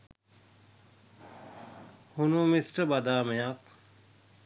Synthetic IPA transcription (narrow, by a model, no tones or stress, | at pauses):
hunomisʈəbɐd̪aːmejak